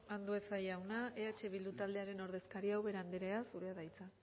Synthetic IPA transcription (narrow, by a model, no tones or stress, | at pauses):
and̪ue̞sajawnaeat͡ʃe̞β̞ild̪ut̪ald̪e̞aɾe̞no̞ɾðe̞skaɾiawβe̞ɾand̪eɾeasuɾe̞aðajt͡sa